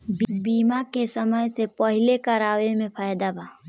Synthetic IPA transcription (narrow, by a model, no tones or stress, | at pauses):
bbiːmakesəməjsepəɦɪlekəɾaːwemẽpʰaːjd̪abaː